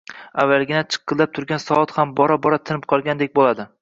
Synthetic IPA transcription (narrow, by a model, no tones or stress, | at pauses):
avːalɡʲɪnat͡ʃʰɨ̥qːɨzlap̚t̪ʰʊɾɡʲansɒɒt̪hambɒɾabɒɾat̪ʰɪnɪp̚qʰɒlˠɡʲand̪ek̚ʲbolad̪ɪ